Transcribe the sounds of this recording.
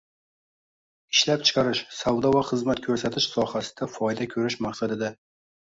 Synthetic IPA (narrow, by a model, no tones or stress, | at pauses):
ɪʃlap̚t͡ʃʰɪ̥qʰɑɾɪʃsawd̪ɒvaχɨzmat̪kʲʰɵɾsat̪ʰɪʃsɒhasɪd̪̥afɒjd̪akʲʰɵɾɪʃmaqsad̪ɪd̪a